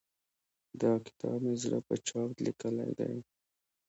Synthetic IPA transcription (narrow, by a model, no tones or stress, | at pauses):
d̪ɑkɪ̥t̪ɑbmezɽə̰pət͡ʃɑb̪likəla̰jd̪a̰j